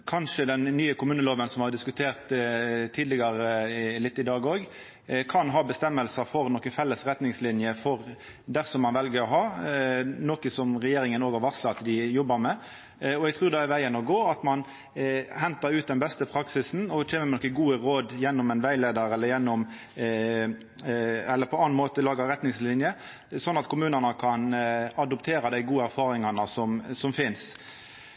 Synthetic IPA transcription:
kʰɑnʂəd̪ɛnːyːəkʰʊmʉːnəloːʋənsɔmhɑd̪ɪskʉt̪ʰeːʁt̪t̪ʰːiːd̪lɪɡɑɾəlɪt̪ːɪd̪ɑːɡoːɡ | kʰɑnɦɑːbəst̪ɛmːəlsəfɔɾnɔkənfɛlːəsɾɛt̪nɪŋslɪnjəfɔʁ | d̪æʁsɔmːɑnʋɛlɡəɾɔɦɑː | noːkəsɔmɾɛjeːɾɪŋənoːɡhɑʋɑslɑt̪d̪ɪjɔbːəɾmɛ | ɔɛɡt̪ʰʁuːɾd̪ɛæɾʋæɪənɔɡoːɑt̪mɑn | hɛnt̪ɑɾʉːt̪̚d̪ɛnbɛst̪əpʰɾɑksɪsn̩ɔtʰeːməmɛnɔkəɡuːəɾoːd̪jɛnːɔmɛnʋæɪleːd̪əɾɛləɾjɛnːɔm | ɛlːəɾpʰɔɑnɑnmoːt̪əlɑːɡəɾɛt̪nɪŋslɪnjə | sɔnːɑt̪kʰʊmʉːnənəkʰɑnɑd̪ɔpt̪ʰeːɾɑd̪æɪɡuːəæɾfɑːɾɪŋɑnəsɔmsɔmfɪns

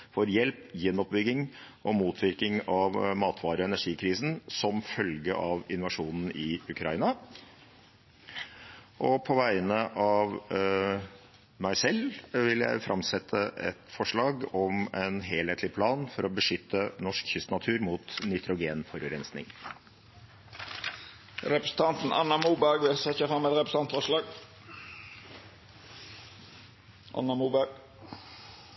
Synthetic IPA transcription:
fɔɾjɛlpjɛnːɔp̚bʏɡːɪŋ | ʔɔmuːt̪ʰʋɪɾkɪŋɑʋmɑːt̪ʰʋɑːɾəɔɛnæʂiːkʰɾiːsn̩sɔmfœlɡəʔɑːʋɪnʋɑʂuːnn̩ɪʉkʰɾɑiːnɑ | ʔɔpʰɔʋæɪənəʔɑʋ | mæɪsɛlʋɪljæ̰ɪfɾʔɑ̰msɛt̪ʰːəɛ̰t̪fɔʂɭɑːɡɔmɛnɦeːlheːt̪ʰlɪpʰlɑːnfɔɾɔbəʂʏt̪ːənɔʂkçʏst̪nɑt̪ʰʉːɾmuːt̪nʏt̪ʰɾʊɡeːnfɔɾʉɾɛnsnɪ̰ŋ | ɾɛpɾəsn̩t̪ʰɑnt̪n̩ʔɑ̰nɑmuːbæɡʋɪlsɛçəfɾɑmːɛt̪ɾɛpɾəsɑnt̪fɔʂlɑːɡ | ʔɑ̰nːɑmuːbæɡ

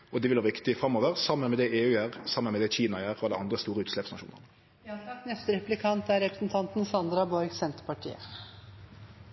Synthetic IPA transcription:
ɔd̪ɛʋɪlʋɑːʁʋɪkt̪ɪfɾɑmːoːʋəʁsɑmːənmɛd̪ɛʔeːʉːjæːʁsɑmːənmɛd̪ɛçiːnɑæːʁɔd̪ɛnɑnd̪ʁəst̪uːɾəʉːt̪slɛpsnɑʃṵːnə̰nə | sɑnɛst̪əɾɛplɪkʰɑnt̪æɾɛpɾə̥sn̩t̪ʰɑnt̪nsɑnd̪ɾɑbɔɾɡsɛnt̪əɾpɑʈʰḭːə̰

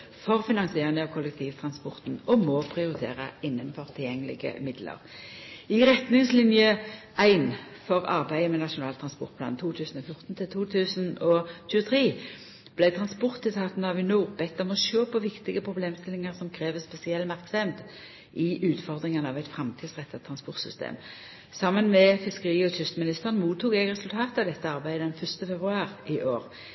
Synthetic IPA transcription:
fɔʁfɪnɑŋsɪeːʁɪnəɑːʋkʰʊlːɛk̚t̪ʰiːʋt̪ʰʁɑnspɔʁt̪n̩ɔmoːpʰʁɪʊɾɪt̪ʰḛːʁə̰ɪnːənfɔʁt̪ʰɪljɛŋːəlɪ̰ɡə̰mɪd̪lə̰ʁɪʁɛt̪nɪŋslɪnjə | ʔæɪn | fɔʁɑ̰ʁbæɪəmɛnɑʂʊnɑːlt̪ʰɾɑnspɔ̰ʁt̪plɑ̰ːnt̪ʰuːt̪ʰʉːsn̩ɔfjʊʁt̪n̩t̪ʰɪlt̪ʰuːt̪ʰʉːsənɔçʉːət̪ʰʁiː | b̥læɪt̪ʰʁɑnspɔʁt̪ːɪt̪ʰɑːt̪n̩ɑʋɪnuːʁbɛt̪ːəmɔʃøːpʰɔʋɪkt̪ɪɡəpʰʁʊbleːmst̪ɪlːɪŋəʁsɔmkʰʁeːʋəspɛsɪɛlːmɑʁksɛmt̪ | ʔɪʔʉːt̪fɔʁd̪ʁɪŋənɑʋæɪt̪fʁɑmt̪ʰiːd̪sʁɛt̪ːɑt̪ʰʁɑnspɔʁt̪sʏ̰st̪ḛːm | sɑmːənmɛfɪskəʁiːɔtʏst̪mɪnɪst̪əʁənmuːt̪ːuːɡɛɡʁɛsʉlt̪ʰɑːt̪ɑʋd̪ɛt̪ːəɑʁbæɪd̪əɛnfœʁst̪əfɛbʁʉɑːʁɪʔoːʁ

